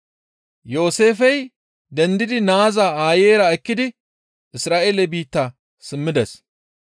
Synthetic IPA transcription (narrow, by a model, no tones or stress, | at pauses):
jo̞ːse̞ːfɛj | d̪ɛnd̪ɪd̪ɪnaːzaaːjeːɾɐɛkːɪd̪ɪ | ʔɪsɾaːʔeːlɛbiːt̪ːɐ | sɪmːɪd̪ɛs